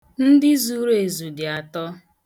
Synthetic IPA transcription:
n̩˦dɪ˦zu˨˦ɾe˨zu˨dɪ˨a˨tɔ˦

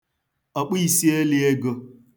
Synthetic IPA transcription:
o˨k͡pi˦i˨si˦e˦lɪ˦e˦ɡo˦

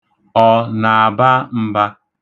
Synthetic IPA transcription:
ɔ˨na˨a˨ba˦m̩˦ba˦

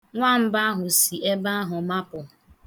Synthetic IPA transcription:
ŋʷa˦˨m̩˦ba˦a˦ɦʊ˨si˨ʔe˦ba˦a˦ɦʊ˨ma˦pʊ˨

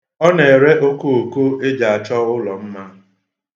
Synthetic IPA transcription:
ɔ˦ne˨e˨ɾe˦ʔo˦ko˦˨o˨ko˦e˦d͡ʒa˨a˨t͡ʃɔ˦ʊ˦lɔ˨m̩˦ma˦

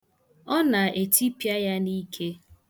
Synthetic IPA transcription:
ɔ˦na˨ʔe˨ti˦pja˦ja˦ni˦kʰe˦

